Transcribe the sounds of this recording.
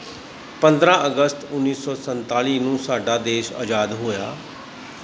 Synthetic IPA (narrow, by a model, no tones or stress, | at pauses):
pənd̪ɾãːʔəɡəst̪ʊnːiːsɔːsənt̪aːliːnũːsaːɖaːd̪eːʃa̰ːd͡ʒaːd̪ɦoːja̰ː